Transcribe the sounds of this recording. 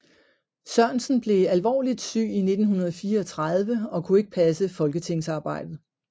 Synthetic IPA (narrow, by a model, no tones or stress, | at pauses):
sɶɐ̰nsn̩b̥le̝ælʋɒ̰ːlid̥sy̰ːine̝d̥n̩hunɐð̞̩ˠfiːɐɒ̽t͡sʰʁað̞ˠʋəɒ̽kʰue̝ɡ̥ə̥pʰæsəfɒ̽lɡ̥ət͡sʰe̝ŋ̰sɑ̈ːb̥ɑ̈ɪ̰d̥ð̩ˠ